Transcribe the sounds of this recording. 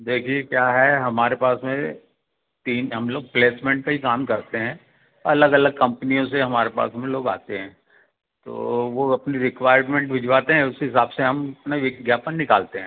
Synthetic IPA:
d̪eːkʰiekjaːɦɛɦɐmaːɾepaːsmẽ | t̪iːnɦɐmloːɡ̚pleːsmẽːɳʈ̚kaɦikaːmkɐɾt̪eɦɛ̃ː | ɐləɡɐləɡ̚kɐ̃mpnijõseɦɐmaːɾepa̰ːsmẽloːɡa̰ːt̪eɦɛ̃ː | t̪o̰ːʋoɐpniɾɪkʋaːɪəɾmẽːɳʈʋɪd͡ʒʋaːt̪eɦɛ̃ʊskeɦɪsaːbseɦɐmɐpnaʋɪɡjaːpənːɪkaːlt̪eɦɛ̃

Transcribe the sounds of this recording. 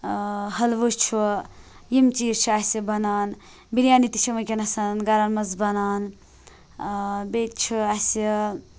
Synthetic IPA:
hɐlʋut͡ʃʰu | jimt͡ʃiːɾt͡ʃʰuasibɐnaːn | biɾjaːnit̪i̥t͡ʃʰimɐkʲeɐnɐsannɡɐɾanmɐzbɐnaːn | bet̪t͡ʃʰuasi

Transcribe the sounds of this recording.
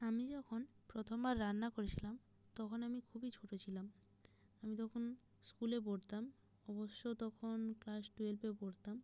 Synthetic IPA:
amid͡ʑɔkʰonpɾot̪ʰombaɾːanːakoɾet͡ɕʰilam | t̪ɔkʰonamikʰubit͡ɕʰoʈot͡ɕʰilam | amit̪ɔkʰon | skuleboɽt̪am | ɔboʃːot̪ɔkʰonklasʈuelpeboɽt̪am

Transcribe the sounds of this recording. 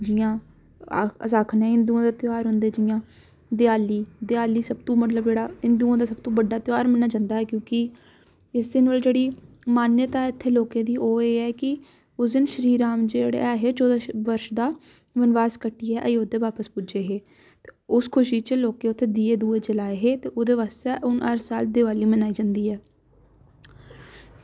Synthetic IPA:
d͡ʒiãː | a̰ːəsaːkʰnɛ̃ːɪnd̪ũãːd̪aːt̪jaːɾɦʊ̃nd̪eːd͡ʒiːãː | d̪ɪaːliːd̪ɪaːliːsəb̚t̪õːmət̪ləbd͡ʒeːɽaːɪnd̪uːãːd̪aːsəb̚t̪ũːbəɖaːt̪jaːɾmɛnaːd͡ʒãːnd̪aːɦɛːkjõːkɪ | ɪsd̪ɪnʋəld͡ʒeːɽiː | maːnjət̪aːɪt̪ʰːeːloːkẽːd̪iːʔoːeːɛːkɪ | ʊsd̪ɪnʃɾiːɾaːmd͡ʒeːɽḛːɛːɦeːt͡ʃoːd̪aʋəɾʃd̪aː | ʋənʋaːskəʈːiːɦɛːʔəiːoːd̪eːʋaːpəspʊd͡ʒeːɦeː | t̪eːʊskʰʊʃiːt͡ʃəloːkẽːʊt̪ʰːeːd̪iːeːd̪uːeːt͡ʃəlaːeɦeːt̪eːʔoːd̪eːʋaːst̪eːʔʊnəɾsaːld̪eːʋaːliːmənaːiːd͡ʒãːnd̪iːɦɛː

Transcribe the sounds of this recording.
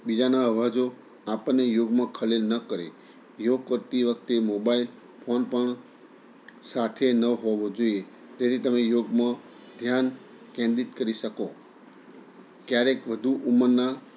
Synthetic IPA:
bid͡ʒanaəʋad͡ʒo | apənejoɡmãkʰəlelnəkəɾḛ | joɡ̚kəɾt̪iʋək̚t̪emobail | pʰonpəɳ | sat̪ʰenəɦoʋõd͡ʒoie | d͡ʒ̪et̪it̪əmejoɡmã | d̪ʱjan | kɛ̃nd̪it̪kəɾiʃəko | kjaɾekʋəd̪ʱuʔuməɾna

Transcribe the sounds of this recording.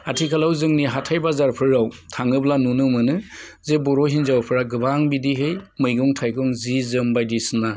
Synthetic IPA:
atʰikʰalawzɯŋniɦatʰajbazaɾpʰɯɾːawtʰaŋɯblanunɯmɯnɯ | zebɔɾɔɦinzawpʰɯɾaɡɯbaŋbidiɦɯjmɯjɡɔŋtʰajɡɔŋzizɯmbajdisɯna

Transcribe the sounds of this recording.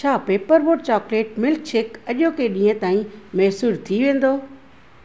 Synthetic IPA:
t͡ɕʰaːpeːpəɾboːɖ̚t͡ɕɔːkleːʈmɪlk̚t͡ɕʰɪkɐʄokeɗĩːə̃t̪aːĩmɛɦsuːɾt̪ʰiʋẽːn̆d̪oː

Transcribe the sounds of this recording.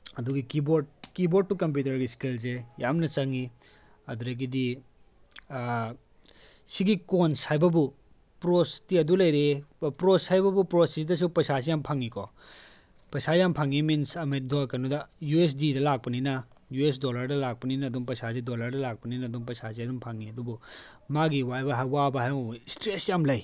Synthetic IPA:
ɐduɡikibokibod̚tukɐmp̬jutɐɾɡiskils̬ejamnɐt͡ʃɐŋi | ɐduɾɐɡidi | siɡikonsajbɐbu | pɾostiɐdulɐjɾepɾoshajbɐbupɾosisdɐs̬upɐsas̬ijampʰaŋikʰɔ̰ | pɐsajampʰaŋiminsɐmet̚dɔkɐnudɐjues̬didɐlak̚pɐninɐ | jues̬dolɐɾdɐlak̚pɐninɐdumpɐsas̬idolɐɾdɐlak̚pɐninɐːdumpɐsas̬iɐdumpʰaŋiɐdubumaɡiwajbɐɦajwabɐɦajmɐbustɾesjamlɐj

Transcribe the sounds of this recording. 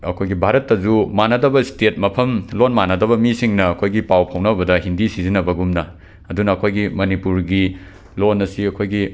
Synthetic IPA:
ɐ̰kʰojɡibʱaɾɐtːɐzumanɐdɐbɐstet̚mɐpʰɐmlonmanɐdɐβɐmisiŋnɐːkʰojɡipawpʰawnɐbɐdɐɦindisizinɐbɐɡumnɐ | ɐdunɐːkʰojɡimɐnipuɾɡi | lonɐsiɐkʰojɡi

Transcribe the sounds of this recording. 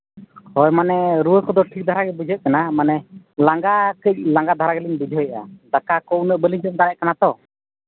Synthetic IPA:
hɔjmanɛɾuwəkɔd̪ɔʈʰik̚d̪ʱaɾaɡɛbud͡ʒʱət̪̚kanamanɛ | laŋɡakəc̚laŋɡad̪ʱaɾaɡɛliɲbud͡ʒʱəjəʔa̰d̪akakɔʔwnəʔbəliɲd͡ʒət̪̚d̪aɾɛʔ̚kanat̪ɔ

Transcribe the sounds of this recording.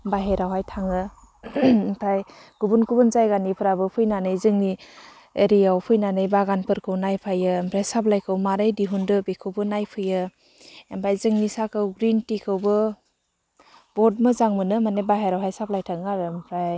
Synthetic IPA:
baɦeɾawɦajtʰaŋɯ | mpʰɾaj | ɡubunkʰubunzajɡanipʰɯɾabɯpʰɯjnanɯjzɯŋni | eɾijawpʰɯjnanɯjbaɡanpʰɯɾkʰɯwnajpʰajɯmpʰɾajsaplajkʰɯwmaɾajdiɦundɯbekʰɯwbɯnajpʰɯjɯ | empʰɾajzɯŋnisakʰɯwɡɾintikʰɯwbɯ | bɔd̚mɯzaŋmɯnɯmanebaɦeɾawɦajsap̚lajtʰaŋaɾɯmpʰɾaj

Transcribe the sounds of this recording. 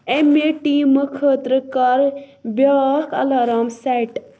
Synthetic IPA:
emeʈimɨkʰət̪ɾəkɐɾbakɐ̰lɐɾamsaʈ

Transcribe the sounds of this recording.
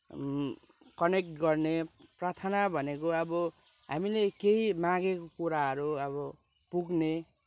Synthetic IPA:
kʌnek̚ʈɡʌrneprat̪ʰanabʱʌnekoʌbʌ | ɦa̰milekeimãɡekokuɾaɦʌɾuʌβʌ | puɡne

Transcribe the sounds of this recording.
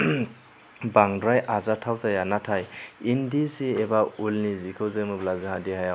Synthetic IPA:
baŋdɾajʔazatʰawzajanatʰajindisiebaulnizikʰɯwzɯmɯblazɯɦadihajaw

